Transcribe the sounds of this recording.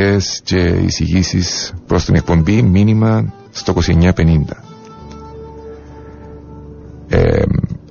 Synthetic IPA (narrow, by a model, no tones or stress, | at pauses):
est͡ʃeḭsiɣisispɾost̪onik̚pombiminima | st̪okosiɲapenint̪a | ḛ